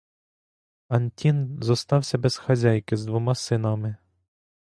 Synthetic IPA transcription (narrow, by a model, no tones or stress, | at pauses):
ɐnʲtʲinzɔst̪ɑwsʲɐbɛz̥xɐzʲajkɪzd̪ʋɔmɑsɪnɑmɪ